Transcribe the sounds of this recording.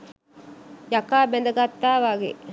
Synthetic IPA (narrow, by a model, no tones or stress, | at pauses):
jakaːbɛnd̪ɐɡat̪ːaːʋaɡḛ